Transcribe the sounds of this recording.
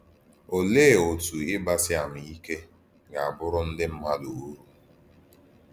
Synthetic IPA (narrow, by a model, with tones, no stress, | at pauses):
o˨leː˦˨o˨tu˨ɪ˦ba˦sɪ˦a˨m̩˨i˦ke˦ | ɡa˨a˨bʊ˦ɾʊ˦n̩˦dɪ˦m̩˦ma˦lu˨u˦ɾu˦